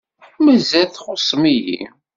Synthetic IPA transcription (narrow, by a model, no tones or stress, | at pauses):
ħmːəzæθχʊsˤmijḭ